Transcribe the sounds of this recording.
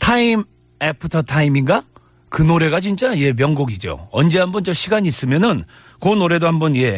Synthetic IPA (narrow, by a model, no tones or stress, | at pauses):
tʰaim | epʰɯtʰʌtʰaiminɡa | kɯnoɾe̞ɡat͡ɕint͡ɕ͈aje̞mjʌŋɡoɡid͡ʑo̰ʌ̰nd͡ʑe̞ɦambʌnt͡ɕʌɕʰiɡaɲiːs͈ɯmjʌnɯn | konoɾe̞dohambʌnje̞